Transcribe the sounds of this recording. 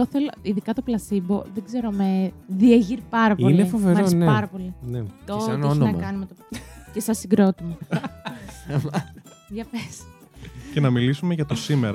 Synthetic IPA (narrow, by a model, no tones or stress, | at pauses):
oθe̞loiðikɐt̪oplɐsimbo̞̰ðeɡze̞ɾomeðieʝiɾpɐɾɐpoilneifoveɾmɐɾesinɐɾɐpo̞linet̪oneoçnonɐɐkɐnimet̪ocesɐsiɡɾo̞t̪ime | ʝɐfes | ce̞nɐmilisume̞ʝɐt̪o̞sime̞ɾɐ